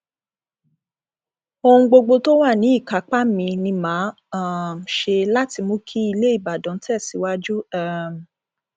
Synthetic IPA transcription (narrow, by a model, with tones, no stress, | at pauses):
o˧hũ˧ɡ͡bo˧ɡ͡bo˧to˦wa˦˨nĩ˨˦i˦˨ka˨˦k͡pa˦mĩ˧nĩ˧mãː˨˦ | a˨m̩˨ʃe˧la˦ti˧mõ˦kʰi˦i˧le˦i˦˨ba˨dɔ̃˨˦tɛ˦˨si˨˦wa˦d͡ʒu˦ɛ˦˨m˨